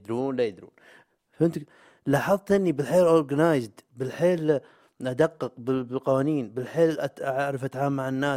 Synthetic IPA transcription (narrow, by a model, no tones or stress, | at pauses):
d̪ɾuːnlajɪd̪ɾṵːn | fʔɪnt̪ | laːħɑðˤt̪ʔɪnːibɪlħeːlʔoɾɡanaːjzd̪bɪlħeːl | ʔad̪aqːɨqbɪbqɑwaːniːnbɪlħeːlʔaʔaʕʕɾɑfʔat̪ʕaːmːaʕanːaː